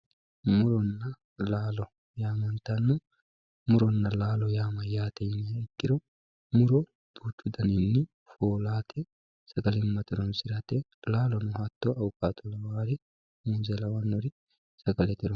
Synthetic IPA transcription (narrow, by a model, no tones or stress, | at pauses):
mʊɾɔnːɐ | laːlɔ | jaːmɐnt̪ɐnːʊ | mʊɾɔnːɐlaːlɔjaːmɐjaːt̪ɛjnɪɐɪt̪ːɪɾɔ | mʊɾɔ | d̪̥uːt͡ʃːʊd̪ɐninːɪ | foːlaːt̪ʰɛ | sɐɡɐlɪmːɐt̪ɪɾɔnsɪɾɐt̪ɛlaːlɔnʊhɐt̪ːoʔɐwʊkʼaːt̪ʰɔlɐwaːɾɪ | muːzɛlɐwɐnːɔɾɪ | sɐɡɐlɛt̪ɪɾɔ